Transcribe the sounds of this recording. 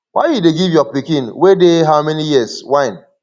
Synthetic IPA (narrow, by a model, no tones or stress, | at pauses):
wʔa̰jjudeɡivjɔpikĩnwedeɦaʊmɛnijiswãɪ̃n